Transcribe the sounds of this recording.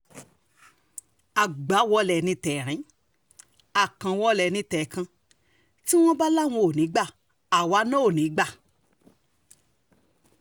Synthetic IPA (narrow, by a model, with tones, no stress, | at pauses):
a˨ɡ͡ba˨˦wɔ˧˦lɛ˨nĩ˧tɛː˨ɾ̃ĩ˨˦ | a˦˨kã˧wɔ˧˦lɛ˨nĩ˧tɛ˨kã˧ | ti˦w̃ɔ̃˦ba˦la˦˨w̃ɔ̃˧o˨nĩ˨˦ɡ͡ba˦˨ | a˨wa˨˦nɔ̃˦o˦˨nĩ˨˦ɡ͡ba˦˨